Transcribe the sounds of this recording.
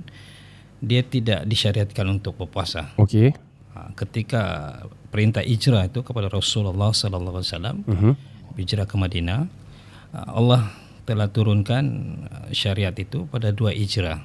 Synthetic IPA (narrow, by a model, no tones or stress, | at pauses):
diat̪ida̰ʔdiʃaɾiat̪̚kanunt̪ʊk̚bərpuasaokḛ | kət̪ika̰pəɾint̪ahʔid͡ʒɾait̪ukəpadaɾɔsʊlalːahsɔlalːaɦasala̰m | bid͡ʒɾakəmadina̰ | ʔa̰lːah | t̪əlaht̪uɾʊnkanə̰ʃaɾiat̪it̪upadaduaʔid͡ʒɾa